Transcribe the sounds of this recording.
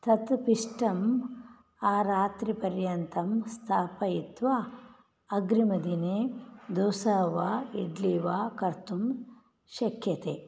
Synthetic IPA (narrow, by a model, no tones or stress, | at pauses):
t̪ɐt̪piʂʈɐm | aːɾaːt̪ɾipɐɾjɐnt̪ɐmst̪ʰaːpɐjit̪ʋaː | ɐɡɾimɐd̪ineːd̪oːsaːʋaːiɖliːʋaːkɐɾt̪um | ʃɐkʰjɐt̪eː